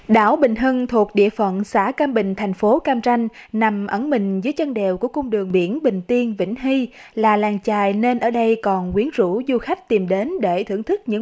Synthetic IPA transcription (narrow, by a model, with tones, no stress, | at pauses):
ɗa̰ː˧˩wɓï˨˩ŋ̟ɦɨ˧ŋt̪ʰu˨˩ək̚ɗḭ˧˨əfə̰˧˨nsa̰ː˧˥kaː˧mɓï˨˩ŋ̟t̪ʰa˨˩jŋ̟fo˨˦kaː˧mt͡ɕa˧jŋ̟na˨˩mʔə˧˩nmï˨˩ŋ̟zəː˨˦jt͡ɕə˧nɗe˨˩wku˧˩əkʊ˧wŋ͡mɗɨ˨˩əŋɓḭ˧˥ənɓï˨˩ŋ̟t̪i˧ənvḭ˧˥ŋ̟ɦi˧laː˨˩laː˨˩ŋt͡ɕaː˨˩jne˧nʔəː˧˩ɗə˧jkɔ˨˩nkwi˨˦ənzṵ˧˥zu˧xa˦˥jk̚t̪i˨˩mɗe˨˦nɗe˧˩t̪ʰɨ̰˧˩əŋt̪ʰɨ˦˥k̚ɲɨ̰˧˥